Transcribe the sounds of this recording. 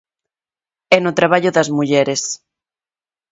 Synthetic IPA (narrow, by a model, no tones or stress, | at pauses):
ɛnot̪ɾaβ̞aʎʊðɐzmuʎɛɾes